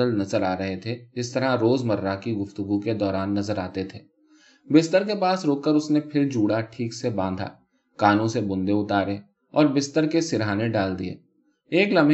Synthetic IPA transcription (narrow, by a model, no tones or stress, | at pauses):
əlnɐzəɾaːɾɐɦet̪ʰed͡ʒɪst̪əɾaɾoːzmɐɾːakiɡʊft̪ʊɡuked̪ɔːɾaːnːɐzəɾaːt̪et̪ʰeː | bɪst̪əɾkepaːsɾoːkːəɾʊsnepʰɪɾd͡ʒuːɽaʈʰiːksebãːnd̪ʱa̰ː | kaːnõsebʊ̃nd̪eʊt̪aːɾẽ | ɔːɾbɪst̪əɾkesɪɾaːneɖaːld̪iḛː | eːklɐm